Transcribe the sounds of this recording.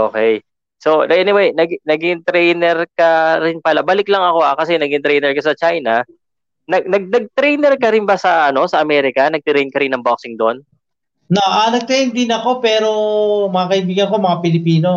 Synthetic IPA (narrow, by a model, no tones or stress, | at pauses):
ʔoːkɛj | so̞ɛnɪwɛjnɐɡnɐɡɪnt̪ɾɛjnɛɾkɐɾɪnpɐlabɐlɪklɐŋɐko̞hakɐsɛnɐɡɪnt̪ɾɛjnɛɹkɐsɐt͡ʃajnɐ | nɐɡnɐɡ̚d̪ɐɡ̚t̪ɾɛjnɛɾkɐɾɪnbɐsɐʔɐno̞sɐʔɐmɛːɾɪkɐnɐɡ̚t̪ɾɛjn̚kɐɾɪnːɐŋbok̚sɪŋd̪on | naʔanɐɡ̚t̪ɾɛjnd̪ɪnɐko̞pɛːɾomɐŋɐkɐibiːɡɐnko̞mɐŋapɪlɪpiːno